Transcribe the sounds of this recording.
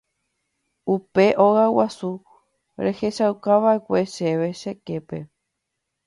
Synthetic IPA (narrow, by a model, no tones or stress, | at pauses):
upe̞ʔo̞ɣawasu | ɾe̞he̞ʃawkaʋaekʷe̞ʃe̞ʋe̞ʃe̞ke̞pe̞